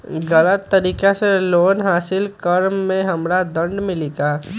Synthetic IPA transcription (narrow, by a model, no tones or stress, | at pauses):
ɡɐlət̪ːɐɾiːkeseloːnɦaːsɪlkəɾmːẽɦɐmɾad̪ɐ̃ɳɖmɪliːɡaː